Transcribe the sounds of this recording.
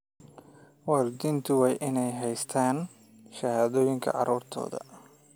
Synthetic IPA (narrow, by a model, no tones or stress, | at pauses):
wɑːrd̪ɪnt̪ʰʊwɑjʔɪnɛjɦɛjst̪ʰaːn | ʃɐhaːðɔːjɪŋkʰɐ̰ʕɑ̰ɾuːrt̪ʰɔ̰ːðɐ̰